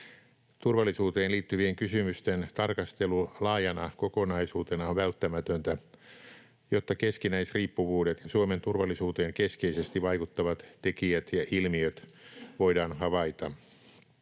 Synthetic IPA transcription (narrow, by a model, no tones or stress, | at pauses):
t̪urʋɑlːˑisuːt̪eːnliːt̪ːyʋieŋkysymyst̪ent̪ɑrkɑst̪elulɑːjɑnɑkokonɑisuːt̪enɑoʋʋælt̪ːæmæt̪ønt̪æ | jot̪ːɑkeskinæisriːpːuʋuːdet̪jɑsuoment̪urʋɑlːˑisuːt̪eːŋkeskeisest̪iʋɑikut̪ːɑʋɑt̪tekiæt̪jɑʔilmiøt̪ʋoidɑːnhɑʋɑit̪ɑ